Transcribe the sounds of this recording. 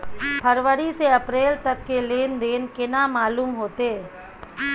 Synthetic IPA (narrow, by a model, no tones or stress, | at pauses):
pʰəɾʋəɾiseɐpɾeːlt̪ɐkːeleːnd̪eːnkɪnamaːluːmɦoːt̪e